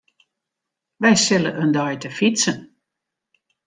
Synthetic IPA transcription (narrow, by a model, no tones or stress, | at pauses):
ʋɛjsɪləʔəndɔjtəfisən